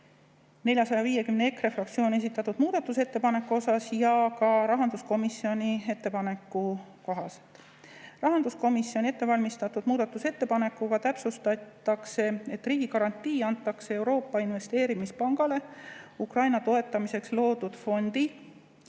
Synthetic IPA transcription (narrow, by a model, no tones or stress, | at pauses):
ne̞lʲjɑsɑjɑviːje̞kymneekrefrɑk̚t̪sioːne̞s̬it̪ːˑɑt̪ːud̪̥muːd̪̥ɑt̪ːˑuset̪ːe̞pɑne̞kːuo̞sɑsjɑkɑɾɑɦɑnd̪usko̞misːio̞nʲie̞t̪ːe̞pɑne̞kːˑuko̞ɦɑse̥t̪ːˑ | rɑɦɑnd̪usko̞misːio̞nʲe̞t̪ːe̞vɑlʲmist̪ɑt̪ːˑud̪̥muːd̪̥ɑt̪ːˑuse̞t̪ːe̞pɑne̞kːˑukɑt̪æpsust̪ɑt̪ːˑɑkse̞e̞t̪ːriːɡ̥ikɑɾɑnʲt̪ːˑiːɑnt̪ːˑɑkseewɾo̞ːpˑːɑinve̞st̪e̞ːɾimispɑŋɡ̥ɑle̞ukrɑjnɑt̪o̞e̞t̪ːˑɑmise̞kslo̞ːd̪̥ud̪̥fo̞nd̪̥i